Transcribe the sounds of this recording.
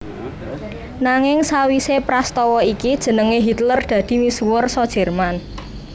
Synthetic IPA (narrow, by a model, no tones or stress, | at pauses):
naŋɪŋsawisepɾast̪ɔwɔikid̥ʒ̥ə̤nəŋeɦit̪lərd̪̥ä̤d̪̥i̤misuwʊrsɔd̥ʒ̥ɛ̤rman